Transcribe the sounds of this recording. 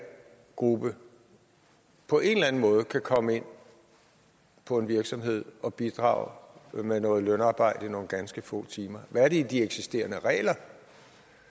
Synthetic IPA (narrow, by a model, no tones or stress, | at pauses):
ɡ̥ʁub̥ə | pʰɒ̽ʔe̝nlæn̩mɔ̽ːð̞̩ˠəkʰækʰɒ̽məe̝n̰ | pʰɒ̽e̝nʋiɐɡ̥sɒ̽mɦe̝ð̞̰ˠɒ̽b̥id̥ʁɑ̰̈ːʊmenɔ̽ːð̞̩ˠlønɑ̈ːb̥ɑ̈ɪ̰d̥əino̝ːn̩ɡ̥ænsɡ̥əfɔ̰ːt͡sʰiːmɐʋææɐɾ̥eid̥ieɡ̥sisd̥e̝̰ːɐnəʁɛ̰ːlɐ